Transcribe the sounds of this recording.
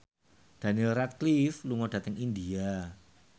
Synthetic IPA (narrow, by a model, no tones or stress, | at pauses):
d̥a̤nilrat̪̚klifluŋɔd̥a̤t̪əŋindia